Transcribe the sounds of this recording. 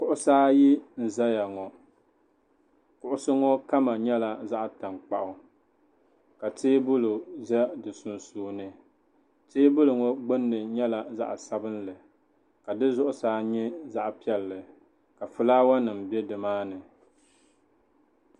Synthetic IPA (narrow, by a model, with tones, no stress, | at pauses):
kʊ˦ʔʊ˦saː˦ji˦n̩˨za˦ja˨ŋɔ˨ | kʊ˨ʔʊ˦sɨ˦ŋɔ˦ka˦ma˨ɲɛ˦la˨za˦ʔta˨mk͡pa̰˨ʔʊ˨ | ka˨tʰeː˦bʊ˦lʊ˨zɛ˦dɨ˨sʊ˨nsoː˨nɨ˨ | teː˦bʊ˦lʊ˨ŋɔ˦ɡ͡bɨ˦nːɨ˨ɲɛ˦la˨za̰˦ʔsa˦bɨ˦nlɨ˨ | ka˨dɨ˦zʊ˦ʔʊ˦saː˦ɲɛ˦za˦ʔpi˦ɛ˨lːɨ˨ | ka˨fʊ˨laː˦wa˦nɨ˨mbɛ˦dɨ˨maː˦nɨ˨